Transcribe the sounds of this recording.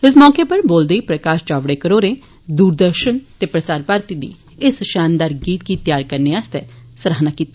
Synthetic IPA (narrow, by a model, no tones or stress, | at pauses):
ɪsmɔːkeːpəɾboːld̪eiːpɾəkaːʃt͡ʃaːʋɽeːkəɾoːɾeː | d̪uːɾd̪əɾʃənt̪eːpɾəsaːɾpaːɾt̪iːd̪ḭː | ɪsʃaːnd̪aːɾɡiːt̪̚ɡiːt̪jaːɾkəɾneaːst̪ɛ̰ːsəɾaːɦnaːkiːt̪aː